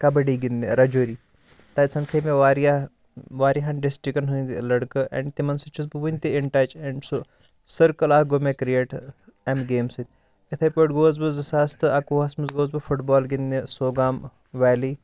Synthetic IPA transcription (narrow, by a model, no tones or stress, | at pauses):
kɐbɐɽiːɡind̪ḛɾɐd͡ʒoːɾiː | t̪ɐːsɐnkʰeːmeʋaːɾja | ʋaːɾiɦɐnɖisʈɾikɐnɦunʲd̪ilɐɽkɨʔɛ̰ɳɖt̪imɐnsɨt͡ʃʰuzbɨʋunʲt̪iɪɳʈaːt͡ʃɛɳɖso | sɐɾkɐlaːhɡomekɾijeːʈ | ɛmɡeːmsit̪ʲ | it̪ʰɐpoːʈɡoːzbɨzɨsaːst̪ɨɐkuːɐsmɐzɡoːzbɨfʰuʈbɔːlɡind̪esoːɡaːm | ʋɛːliː